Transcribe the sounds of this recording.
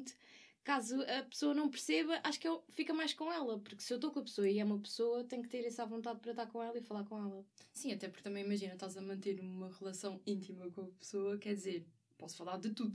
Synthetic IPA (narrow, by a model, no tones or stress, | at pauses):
t̪ | kazuɐpɨ̥soɐnɐ̃w̃pɨɾseβɐʔaʃu̥kɛlˠfikɐmajʃkõɛlˠɐpuɾksewt̪okõɐpsoɐiɛumɐpsoɐt̪ɐ̃j̃k̚t̪eɾɛsavõnt̪aðpɐɾɐt̪aɾkõɛlˠɐifɐlˠaɾkõɛlˠɐsĩɐt̪ɛpuɾkt̪ɐmɐ̃j̃imɐʒinɐʃt̪azɐmɐ̃nt̪eɾumɐʁɨlˠɐsɐ̃w̃ĩnt̪imɐkõɐpsoɐkɛɾðizeɾ | pɔsfɐlˠaɾðɨt̪uðu